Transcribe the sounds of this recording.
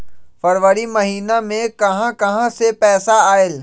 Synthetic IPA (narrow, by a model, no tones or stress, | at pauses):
fɐɾʋəɾimɐɦiːnamẽkɐɦãkɐɦãsepɛːsaaːɪl